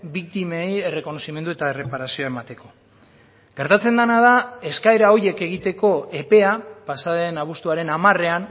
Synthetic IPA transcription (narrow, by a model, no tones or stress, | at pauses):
bikt̪imeje̞re̞ko̞no̞sime̞nd̪ue̞t̪aere̞paɾasio̞ae̞mat̪e̞ko̞̥ | ɡ̥e̞ɾt̪at͡se̞nd̪anað̞ae̞skaeɾao̞je̞ke̞ɣ̞it̪e̞ko̞e̞pe̞apasaðe̞naβust̪uaɾe̞namare̞an